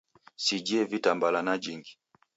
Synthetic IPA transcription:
sid͡ʒiɛvitambalanad͡ʒiŋɡi

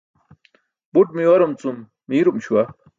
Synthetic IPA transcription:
buʈ̚miwɐɾumt͡sumː | iːɾumɕuwɐ

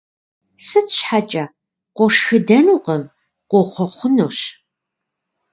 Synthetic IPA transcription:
sɨtɕħat͡ʃʼɐ | qʷɔʂxɨdɐnuːqəm | qʷoχʷɔχʷʊnoːɕ

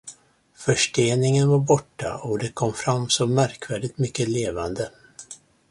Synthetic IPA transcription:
fœʂʈeːnɪŋənvaɾbɔʈːa̰ɔd̪ɛkʰɔmfɾamːsɔmːæɾkvæːɖɪt̪mʏkːəleːvand̪ə

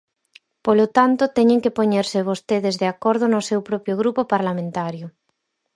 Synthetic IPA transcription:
polot̪ant̪ot̪ɛɲẽŋkepoɲeɾseβ̞ost̪eðezðeakoɾð̞onosewpɾɔpjoɣ̞ɾupopaɾlamẽnt̪aɾjo

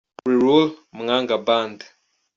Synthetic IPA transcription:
ɾiɾulməŋaŋɡaband

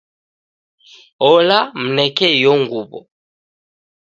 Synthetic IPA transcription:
ɔlam̩nɛkɛjɔŋɡuβɔ̰

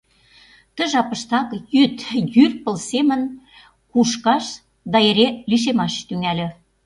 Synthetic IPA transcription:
t̪ə̆ʒɑpə̆ʃt̪ɑkjyt̪jyrpə̆lsemə̆n | kuʃkɑʃ | d̪ɑeɾeliʃ̬emɑʃt̪yŋælʲø̆

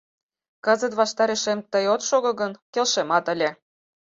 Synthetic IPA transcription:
kəzə̆t̪βɑʃt̪ɑɾeʃemt̪əjot̪ʃoɣɤ̆ɣənkelʃemɑt̪ə̆lʲe

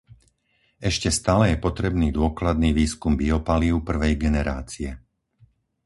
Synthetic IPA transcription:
ɛʃcɛst̪aːlɛjɛpɔt̪ɾɛbniːd̪ʊɔklad̪̚niːʋiːskumbiɔpaliʊpr̩ʋɛjɡɛnɛɾaːt͡siɛ

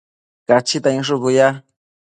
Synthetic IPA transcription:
kat͡ʃit̪aĩʂ̬ukuja

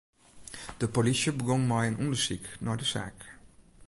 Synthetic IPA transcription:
d̥əpolisjəbəɡɔŋmajənʔundərsiknɔdəsa̰ːk

